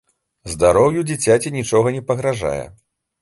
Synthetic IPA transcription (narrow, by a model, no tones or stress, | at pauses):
zd̪aɾɔwjud͡zʲit͡sʲat͡sʲinʲit͡ʂɔɣɐnʲɛpɐɣɾaʐa̰jɛ̰